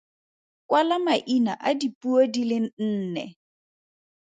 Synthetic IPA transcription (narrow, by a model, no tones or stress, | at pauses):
kwalamaʔina̰ʔadipuodilɪn̩n̩ːnɛ̰